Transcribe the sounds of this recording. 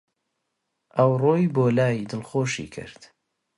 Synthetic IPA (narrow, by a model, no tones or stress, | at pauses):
ʔɐwroːjboːlaːjd̪ɨlxoːʃḭːkʰɨ̰ɾd̪̥